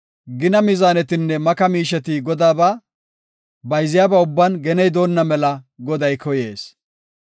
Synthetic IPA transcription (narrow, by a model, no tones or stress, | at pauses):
ɡɪnɐmɪzaːnɛt̪ɪnːɛmɐkɐmiːʃɛt̪ɪɡɔd̪aːbɐ | bɐjzɪjaːbɐʊbːɐnɡɛnɛjd̪o̞ːnːɐmɛlɐɡɔd̪ɐjkɔjḛːs